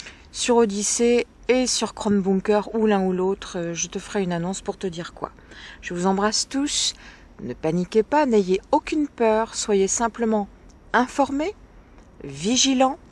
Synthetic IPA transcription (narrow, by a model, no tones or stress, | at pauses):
syʁod̪iseː | syʁkχɔnbũkœʁulɛ̃ulot̪χʒət̪əfəʁɛynanɔ̃spuʁt̪əd̪iʁkwa̰ | ʒ̥əvuzɑ̃bʁast̪us | nəpanikʲepanejeokʲynpœːʁswajesɛ̃pləmɑ̃ | ɛ̃fɔʁme | viʒilɑ̃